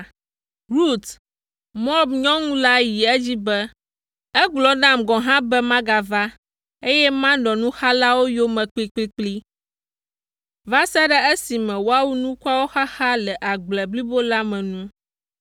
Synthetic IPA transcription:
ɾu˦t̪ | mɔ˦bɲɔ̃˦ŋũ˦la˦ji˨ɛ˦d͡ʑi˦bɛ˦ | ɛ˦ɡ͡blɔ˨nã˦mɡɔ̃˨ɦã˦bɛ˦mã˦ɡa˨va˦ | e˦jɛ˦mã˦nɔ̃˨nũ˦xa˦la˦wo˦jo˦mɛ̃˨k͡pi˦k͡pi˦k͡pli˦ | va˦sɛ˦ɖɛ˦e˦si˨mɛ̃˨wo˦a˦wu˦nũ˦ku˦a˦wo˦xa˦xa˦lɛ˨ʔa˨ɡ͡blɛ˨bli˦bo˦la˦mɛ̃˨nũ˦

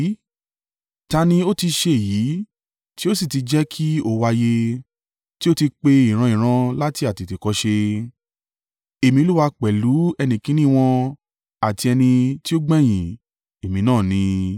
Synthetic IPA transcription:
ta˧nĩ˧o˦ti˧ʃe˧e˨ji˨˦ | ti˦o˦si˦˨ti˧d͡ʒɛ˦kʰi˦o˦˨wa˧je˧ | ti˦o˦ti˧k͡pe˧i˨ɾ̃ã˧ĩ˨ɾ̃ã˧la˦ti˧˦a˨ti˨te˨kɔ˧˦ʃe˧ | e˨mĩ˧o˧lu˦wa˧k͡pɛ˨lu˨˦ɛ˧nĩ˧kĩ˨˦nĩ˦˧w̃ɔ̃˧ | a˨ti˧ɛ˧nĩ˧ti˦o˦ɡ͡bɛ˦˨j̃ĩ˨ | e˨mĩ˨˦nãː˦˨nĩ˧

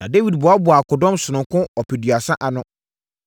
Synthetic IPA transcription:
nã˨de˦wi˨dbʊ˨a˦bʊ˨a˨kʰʊ˨dɔ̃˦msʊ˨nʊ̃˨ŋkʰʊ̃˦ɔ˨pʰɛ˨dɥa˨sã˦ʔa˨nʊ̃˦

